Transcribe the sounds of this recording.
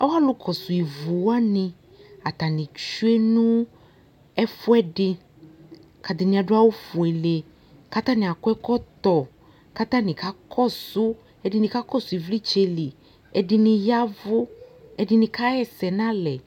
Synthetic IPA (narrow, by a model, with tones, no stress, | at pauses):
a˦wa˦lʊ˦kʰɔ˨sʊ˨i˨vu˨wa˦nɪ̃˨ | a˨t̪a˨nɪ̃˨t͡ʃu˦ɛ˦nũ˦ | ɛ˦fʊ˦ɛ˦ɖɪ˦ | ka˨d̪ɪ˨nɪ̃˨a˨ɖʊ˦a˦wo˦fʊ˨ɛ˨le˨ | ka˦t̪ã˦nɪ̃˨a˨kʊ˦ɛ˦kɔ˦t̪ɔ˨ | ka˦t̪ã˦nɪ̃˨ka˦kʰɔ˦sʊ˦ | ɛ˦dɪ˦nɪ̃˨ka˦kɔ˦sʊ˨i˨vli˦t͡ʃe˨li˨ | ɛ˦dɪ˦nɪ̃˨ja˦vʊ˦ɛ˦dɪ˦nɪ̃˨ka˦ɛ˦sɛ˨nã˦lɛ˨